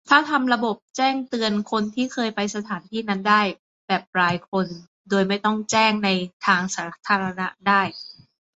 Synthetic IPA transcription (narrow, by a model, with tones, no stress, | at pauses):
t̪ʰaː˥˩t̪ʰa˧mɾa˧bo˨˩p̚t͡ɕɛː˥˩ŋt̪ɯ˧ənkʰo˧nt̪ʰiː˥˩kʰɤː˧jpa˧jsa˧t̪ʰaː˩˦nt̪ʰiː˥˩na˦˥ndaː˥˩j | bɛː˨˩p̚ɾaː˧jkʰo˧n | doː˧jma˥˩jt̪ɔ˥˩ŋt͡ɕɛː˥˩ŋna˧jt̪ʰaː˧ŋsaː˩˦t̪ʰaː˧ɾa˧na˦˥daː˥˩j